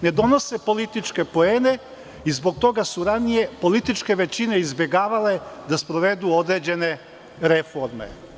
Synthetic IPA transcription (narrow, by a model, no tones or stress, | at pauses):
ne̞d̪o̞no̞sepo̞lit̪it͡ʃke̞poeːne | izbo̞k̚t̪o̞ɡasuɾanije̞po̞lit̪it͡ʃke̞ʋe̞t͡ɕineizbje̞ɡaːʋale̞d̪aspɾoʋe̞d̪uo̞d̪ɾed͡ʑe̞ne̞ | ɾefo̞ɾmḛ